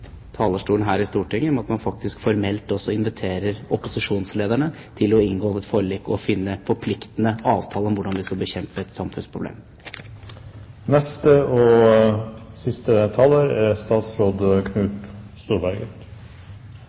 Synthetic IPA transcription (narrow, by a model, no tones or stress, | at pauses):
t̪ʰɑːləʂʈuːlnɦæːɾɪst̪uːʈʰɪŋːəɔmɑt̪mɑnfɑk̚t̪ɪskfɔɾmɛlt̪ɔsːɔɪnʋɪt̪ʰeːɾəɾɔpʊsɪʂuːnsleːd̪æɳə | t̪ʰɪlɔɪŋɡoːɪt̪fɔɾɭiːkːɔfɪnːəfɔɾpʰlɪkt̪ənəɑːʋt̪ʰɑːləɔmʋʊɖɑnʋɪskɑlbəçɛmpəɛt̪sɑmfʉnspʰɾʊblḛːm | nɛst̪əɔ | sɪst̪ət̪ʰɑləɾæɾst̪ɑːt̪sɾoːd̪kʰnʉːt̪st̪uːɾbæɾɡə